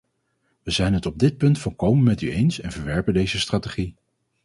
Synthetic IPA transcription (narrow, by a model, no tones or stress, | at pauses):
ʋəzɛjnɦətɔb̚dɪt̚pɵntfʊlˠkowmənmɛtyejnsɛnvəɹʋɛɹpəndejzəstraːteχi